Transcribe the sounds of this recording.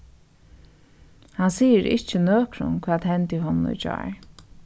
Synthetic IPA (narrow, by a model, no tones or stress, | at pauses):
hansiːəɾɪ̰ht͡ʃːənøːkʰɾʊ̰nkʰvaːðɦɛnt̪ɪɦɔnnʊ̰d͡ʒa̰ːɹ